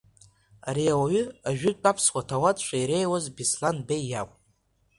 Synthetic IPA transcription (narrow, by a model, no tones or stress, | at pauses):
aɾiawaɥʏaʒᶣʏtʼpʼapʰswʷatʰawatʼʃʷaiɾe̞jwazbislanbejːakʷʼ